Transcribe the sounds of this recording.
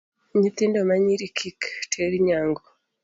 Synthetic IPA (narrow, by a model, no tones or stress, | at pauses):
ɲitindomaɲiɾikʰiktʰeɾiɲaːŋɡo